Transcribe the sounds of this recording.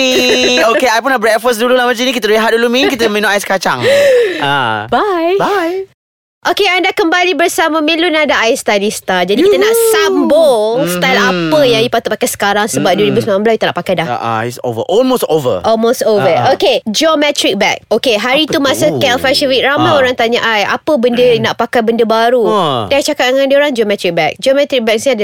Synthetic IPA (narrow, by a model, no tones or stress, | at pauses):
iokeajpunaʔbɾɛt̚fɔs̬dululahmãt͡ʃanĩkit̪əɾeɦadulumĩnkit̪əmẽnoʔajskat͡ʃa̰ŋabajaj | ʔokeandakəmbalibərsamãmelunadaʔaɪst̪ajlist̪ad͡ʒadikikt̪ənaʔsambost̪ajlapəjaŋipat̪ʊt̪̚pakajsə̥kaɾaŋsəbap̚dulibəsmamãmbəlait̪aʔna̰ʔpakajda̰jso̰və̰ʔɔlmostovə̰ʔɔlmost̪ovəoked͡ʒomɛt̪ɾik̚bɛk̚okeɦaɾit̪umasəkɛlfɛʃəwit̪̚ɾamaoɾaŋt̪aɲaʔaja̰pəbəndənaʔpakajbəndəbaɾudajt͡ʃakat̪̚ŋãndioɾaŋd͡ʒomɛt̪ɾik̚bɛk̚d͡ʒomɛt̪ɾik̚bɛk̚sd